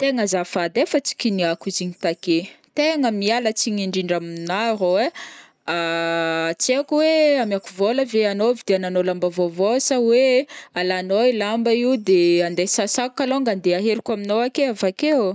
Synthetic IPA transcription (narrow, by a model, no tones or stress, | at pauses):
t̪eŋəzafad̪efət͡si̥kʲiniakiziɲit̪aket̪eŋəmialət͡siɲiɳɖ͡ʐiɳɖ͡ʐamnaɾoe | a | t͡sekuweamiakuvoləveanovid̪eananolambavovosawealanoilambaiud̪eand̪esasakukaloŋɡand̪eaɦeɾikʲaminoakeavakeo